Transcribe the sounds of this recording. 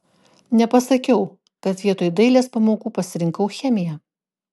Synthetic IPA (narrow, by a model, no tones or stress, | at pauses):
nʲɛpɐsɐkʲɛʊ | kɐt̪ʋʲiɛt̪oːjd̪ɐɪlʲeːspɐmoːkuːpɐsʲɪɾʲɪŋkɐʊxʲɛmʲɪjɛ